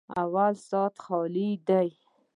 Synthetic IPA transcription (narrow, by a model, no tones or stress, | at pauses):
a̰walsɑt̪xɑlid̪aj